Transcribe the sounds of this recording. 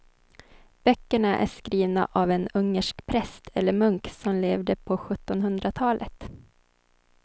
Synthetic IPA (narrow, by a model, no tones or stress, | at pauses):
b̥œkːəɳaʔæ̰ʂkɾiːvna̰ʔavɛnɵŋːəʂkpʰɾɛst̪ʰɛlːəɾmɵŋksɔmleːvd̪əpʰɔɧɵt̪ːɔnɦɵnd̪ɾat̪ʰɑːlʔə̰t̪